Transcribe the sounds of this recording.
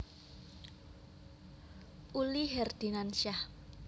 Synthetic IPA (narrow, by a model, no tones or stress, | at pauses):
ʔuliɦɛrd̪̥i̤nansah